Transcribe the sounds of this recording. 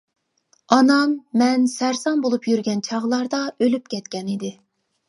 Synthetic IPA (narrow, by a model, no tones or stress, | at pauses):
ɑnɑmːɛnsæɾsɑnbolˠupjyɾɡʲɛnt͡ʃʰɑʁlˠɑɾd̪ɑølyp̚kʲʰɛt̪kʲɛnid̪ɪ